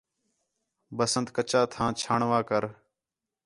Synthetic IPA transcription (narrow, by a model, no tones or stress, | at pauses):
bəsənd̪kət͡ʃaːt̪ʰãːt͡ʃʰaːɳʋaːkəɾ